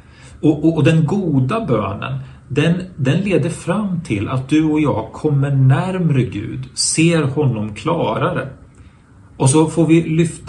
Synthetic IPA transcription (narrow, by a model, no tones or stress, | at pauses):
ɔʔɔːd̪ɛnɡuːd̪abø̰ːnə̰n | d̪ɛnd̪ɛnleːd̪əɾfɾamːt̪ʰɪlːʔa̰t̪̚d̪ɵɔjɑːɡkʰɔmːəɳæɾmɾəɡʉ̟̰ːd̪seːɾhɔnːɔmkʰlɑːɾaɾə̰ | ʔɔs̬ɔfoːɾvɪlʏft̪